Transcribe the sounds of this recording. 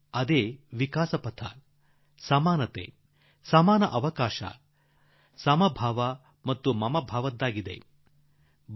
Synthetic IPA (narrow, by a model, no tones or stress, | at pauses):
ɐd̪eːʋikaːsɐpɐt̪ʰɐ̰ | sɐmaːnɐt̪ḛ | sɐmaːnɐʔɐʋɐkaːʃɐ̰ | sɐmɐbʱaːʋɐ | mɐt̪ːumɐmɐbʱaːʋɐd̪ːaːɡid̪ḛ